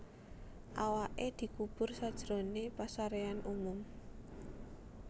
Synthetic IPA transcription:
ʔawaʔed̪̥i̤kub̥ʊ̤rsad̥ʒ̥ɾonepasaɾeanʔumʊm

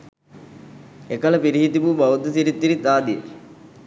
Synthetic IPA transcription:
ekɐlɐpiɾiɦit̪ipubɐʋud̪ːɐsiɾit̪ːiɾit̪aːd̪iḛ

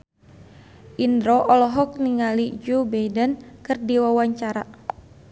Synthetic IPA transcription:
ʔindɾɔʔɔlɔɦɔk̚niŋalid͡ʒubajdənkɨrdiwawaɲt͡ʃaɾa

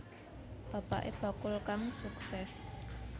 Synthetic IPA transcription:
b̥a̤pa̰ʔḛb̥a̤kʊlkaŋsuksɛs

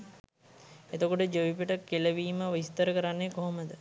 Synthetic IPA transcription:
et̪okoʈəd͡ʒəʋipəʈəkeləʋiːməʋist̪əɾəkəɾanːekoɦoməd̪ə

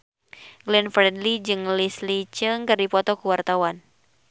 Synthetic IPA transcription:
ɡlɛnfɾɛdlid͡ʒɨŋlislit͡ʃɨŋkɨrdipɔt̪ɔkuwart̪awan

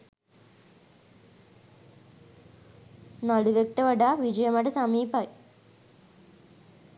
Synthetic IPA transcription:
nɐɭuʋjek̚ʈ̪ɐʋɐɽaʋid͡ʑɐjɐmaɽesɐmiːbaːj

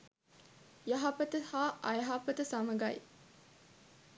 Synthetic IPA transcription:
jɐɦapət̪əhaːʔɐjɐɦapət̪əsaməɡɐj

